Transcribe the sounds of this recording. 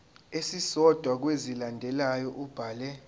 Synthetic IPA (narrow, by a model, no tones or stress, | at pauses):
esisɔd̥ʱwak̬wezilandʱɛlajɔʔub̥ʱaːlɛ